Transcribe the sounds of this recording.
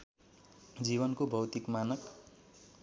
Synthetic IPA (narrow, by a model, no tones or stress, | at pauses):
d͡zibʌnkobʱʌwt̪ikmanʌk